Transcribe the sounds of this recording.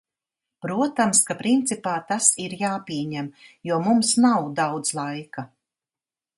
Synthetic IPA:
pɾuɔt̪amskapɾint̪sipaːt̪asiɾjaːpʲiɛɲæmjuɔmumsnawd̪awd̪z̥lˠajka

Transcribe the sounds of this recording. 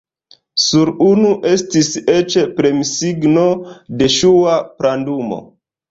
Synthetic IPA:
suɾunuʔe̞stise̞t͡ʃepɾe̞misiɡno̞de̞ʃuapɾandumo̞̰

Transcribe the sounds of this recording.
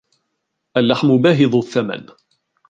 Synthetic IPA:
ʔalːaħmʊbaːɦɪðˤʊθːama̰n

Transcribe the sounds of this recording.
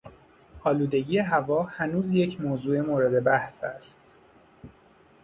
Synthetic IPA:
ɒːluːd̪e̞ɟiːje̞ɦævɒːhænuːzje̞cʰmoːzuːemoːɾed̪e̞bæhsæ̰st̪

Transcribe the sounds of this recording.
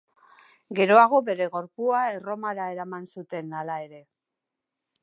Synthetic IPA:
ɡe̞ɾo̞aɣ̞o̞be̞ɾe̞ɣo̞ɾpuae̞ro̞maɾae̞ɾamansut̪e̞nalae̞ɾe̞

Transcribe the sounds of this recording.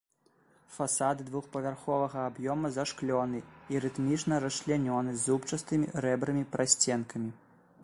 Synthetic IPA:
fasad̪ɨd̪vuxpɐvʲarxɔvɐɣɐːbjɔmɐzaʂklʲɔnɨiɾɨt̪mʲit͡ʂnɐɾɐslʲanʲɔnɨzupt͡ʂɐst̪ɨmʲḭɾɛbɾɨmʲipɾʔasʲt͡sʲɛnkʰɐmʲi

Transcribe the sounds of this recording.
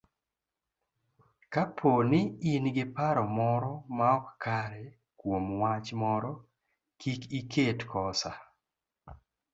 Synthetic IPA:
kapʰonɪinɡɪpaɾɔmɔɾɔmaɔkkaɾɛ | kwomwat͡ʃmɔɾɔ | kʰikikʰetkɔsa

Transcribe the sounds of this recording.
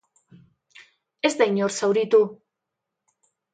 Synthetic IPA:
e̞zd̪ajɲoɾsawɾit̪u

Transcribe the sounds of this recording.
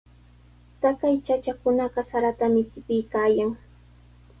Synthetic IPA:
t̪akajt͡ʃat͡ʃakʊnɑɢɑsaɾat̪amɪtɪpɪjkaːjaŋ

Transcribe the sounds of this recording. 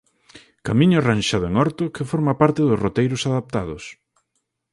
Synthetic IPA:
kamĩɲʊaranʃaðʊeŋɔɾt̪ʊkɪfɔɾmapaɾt̪ɪðʊsrot̪ejɾʊsaðap̚t̪aðʊ̰s

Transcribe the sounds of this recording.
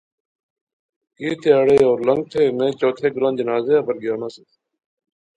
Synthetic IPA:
kiːt̪ɪjaːɽeːoːɾləŋɡ̚t̪ʰeːnẽːt͡ɕoːt̪ʰeːɡʊɾãːnd͡ʒənaːzeːabəɾɡɪjaːnaːse

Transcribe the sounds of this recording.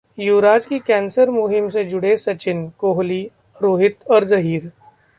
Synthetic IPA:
juːɾaːd͡ʒkikɛ̃ːnsəɾmʊɦɪmsed͡ʒʊɽesɐt͡ʃɪnkoːɦli | ɾoːɦɪt̪ɔːɾzɐɦiːɾ

